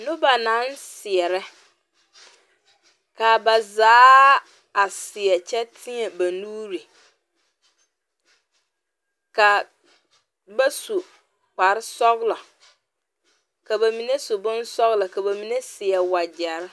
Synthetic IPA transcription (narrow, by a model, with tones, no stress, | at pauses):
nʊ̃˦ba˨nã˨˦nsɪ˨ɛ˨ɾɛ˦ | ka˨ba˨zaː˨˦ | a˨sɪ˨ɛ˨t͡ɕʰɛ˦tʰɪ̃˦ɛ˨ba˨nuː˦ɾi˨ | ka˨ | ba˦su˨ | k͡pa˨ɾɪ˦sɔ˦ɣlɔ˨ | ka˨ba˨mĩ˨ne˦sʊ˨bʊ̃˦nsɔ˦ɣlɔ˨ka˨ba˨mĩ˨ne˦sɪ˨ɛ˨wa˨d͡ʑɛ˨˦ɾ